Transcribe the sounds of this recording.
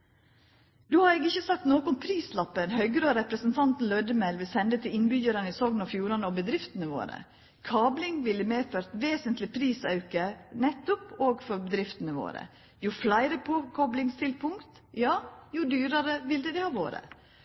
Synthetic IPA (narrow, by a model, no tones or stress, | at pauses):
d̪oːhɑɾɛːɡɪçːəsɑk̚t̪noːkʊnpʰɾiːslɑpːənhœʏɡɾoːɾɛpɾəsnt̪ʰɑnt̪n̩lœd̪əmɛlʋɪlsɛnd̪ət̪ʰɪɪnbʏçəɾɑnəɪsɔŋnɔfjuːɾɑnəɔbəd̪ɾɪft̪ənəʋo̰ːɾə̰ | kʰɑːblɪŋʋɪlːəmeːføːɾt̪ʋeːsənt̪lɪpʰɾiːsɑʉkənɛt̪ːʊpoːɡfɔɾbəd̪ɾɪft̪ənəʋo̰ːɾə̰ | jʊflæɪɾəpʰɔkʰɔblɪŋst̪ʰɪlpʰʊŋkt̪ | jɑːjʊd̪yːɾɑɾəʋɪld̪ɛd̪ɛhɑːʋo̰ːɾə̰